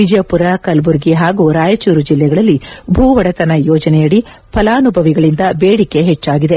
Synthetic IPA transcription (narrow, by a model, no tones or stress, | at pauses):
id͡ʒɐjɐpuɾɐkɐlbuɾɡiɦaːɡuɾaːjɐt͡ʃuːɾud͡ʒilːɛɡɐɭɐlːibʱuːʋɐɽɐt̪ɐnɐjɔːd͡ʒɐnɛjɐɽi | pʰɐlaːnubʱɐʋiɡɐɭind̪ɐbeːɽike̞ɦɛt͡ʃːaːɡid̪e̞